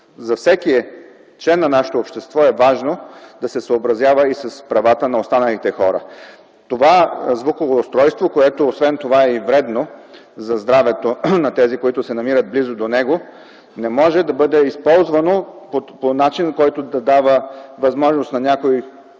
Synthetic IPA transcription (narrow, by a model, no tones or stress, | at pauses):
zɐfsɛkiɛ | t͡ʃlɛnːɐnaʃɛ̥t̪oːpʃt̪ɛst̪vɔɛvaʒnod̪ɐsɛsəobɾɐzjavəisɐspɾɐvat̪ənɐost̪anəlit̪ɛxɔɾə̰ | t̪ovazvukovoʊst̪ɾɔjst̪vokoɛt̪oːsvɛnt̪ovaɛivɾɛd̪no | zɐzd̪ɾavɛt̪onɐt̪ɛzikoit̪ʊsɛnɐmiɾɐd̪̚blizʊd̪onɛɡo | nɛmɔʒɛd̪ɐbɤd̪ɛispɔlˠzvɐnopoponat͡ʃinkɔjt̪od̪ɐd̪avəvɐzmɔʒnost̪nɐnʲakoj